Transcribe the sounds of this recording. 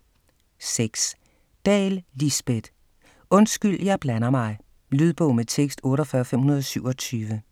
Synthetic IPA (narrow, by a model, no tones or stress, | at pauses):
seɡ̥s | d̥ɛ̰ːllisb̥ed̥ | ɔ̽nsɡ̥yl̰jɑ̈ɪb̥lænɐmɑ̈ɪ | lyð̞ˠb̥ɔ̽ʊmet͡sʰeɡ̥sd̥ɔ̽ːɾɒfɶːɐfem̰hunɐð̞ˠɒsyʊ̰ɒ̽t͡sʰyːʋə